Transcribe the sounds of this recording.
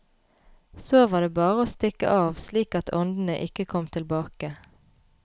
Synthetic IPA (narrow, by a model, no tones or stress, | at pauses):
soːʋɑːd̪eːbɑːʁəoːst̪ɪkə̰ʔɑːʋsliːkɑt̪ʰɔnd̪n̩əʔɪkəkʰɔmt̪ʰɪlbɑːkə